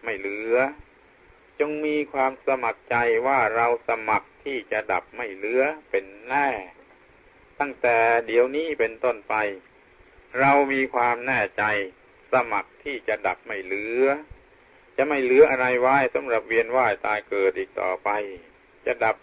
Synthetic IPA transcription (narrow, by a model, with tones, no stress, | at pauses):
ma˥˩jlɯ˦˥ɐ | t͡ɕo˧ŋmiː˧kʰwaː˧msa˧ma˨˩k̚t͡ɕa˧jwaː˥˩ɾa˧wsa˧ma˨˩k̚t̪ʰiː˥˩t͡ɕa˨˩da˨˩p̚ma˥˩jlɯ˦˥ɐpe˧nlɛː˥˩ | t̪a˥˩ŋt̪ɛː˨˩di˨˩˦əwniː˥˩pe˧nt̪o˥˩npa˧j | ɾa˧wmiː˧kʰwaː˧mnɛː˥˩t͡ɕa˧j | sa˧ma˨˩k̚t̪ʰiː˥˩t͡ɕa˨˩da˨˩p̚ma˥˩jlɯ˦˥ɐ | t͡ɕa˨ma˥˩jlɯ˦˥ɐʔa˧ɾa˧jwaː˦˥˩jsa˨˦mɾa˨˩p̚wi˧ənwaː˥˩jt̪aː˧jkɤː˨˩t̪̚ʔiː˨˩k̚t̪ɔ̰ː˨˩pa˧j | t͡ɕa˨˩da˨˩p̚